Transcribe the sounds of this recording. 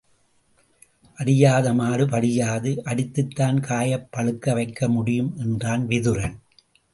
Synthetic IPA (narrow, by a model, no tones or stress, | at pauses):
ʔɐɽɪjaːðɐmaːrɯpɐɽɪjaːðɯʔɐɽɪt̪ːɯt̪ːaːnkaːjɐpːɐɭɯkːɐʋɐɪkːɐmʊɽɪjɯmʔɛndraːnʋɪðɯɾɐn